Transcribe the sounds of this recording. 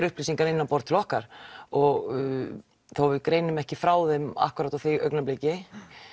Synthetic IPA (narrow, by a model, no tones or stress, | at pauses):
ɾʏhplisiŋkaɾɪnːanpɔɾt̪ʰɪlɔhkaɾ̥ɔɣ | θawvɪðkɾeːjnʏmɛhcɪfɾaːwðɛma̰hkʏɾaːt̪awθeʔœ̰ɥknampleːjcɪ